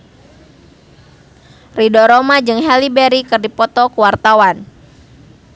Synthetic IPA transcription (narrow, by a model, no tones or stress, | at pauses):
ridoɾomad͡ʒɨŋɦɛlibɛɾikɨrdipɔt̪ɔkuwart̪awan